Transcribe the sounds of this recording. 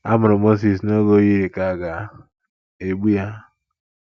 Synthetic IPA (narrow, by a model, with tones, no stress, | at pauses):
a˦mʊ˨ɾʊ˨mo˦s̬i˨s̬no˦ɡo˦ji˦ɾe˨ka˨ɡa˨˦ | e˨ɡ͡bu˦ja˦